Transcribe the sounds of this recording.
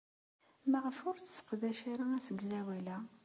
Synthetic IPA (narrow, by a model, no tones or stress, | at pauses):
məʁəfʊɾt͡sːsə̥qðæʃaɾaæsəɡzæwælæ